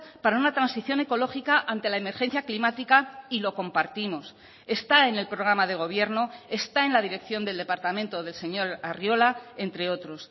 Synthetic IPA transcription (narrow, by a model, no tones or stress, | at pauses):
paɾaunat̪ɾansiθjo̞ne̞ko̞lo̞xikaʔant̪e̞laeme̞ɾxe̞n̟θjaklimat̪ikailo̞ko̞mpaɾt̪imo̞s | e̞st̪aene̞lpɾo̞ɣ̞ɾamaðe̞ɣ̞o̞β̞je̞ɾno̞est̪ae̞nlaðiɾe̞kθjo̞nd̪eld̪e̞paɾt̪amẽ̞nt̪o̞ðe̞lse̞ɲo̞ɾarjo̞lae̞nt̪ɾe̞o̞t̪ɾo̞s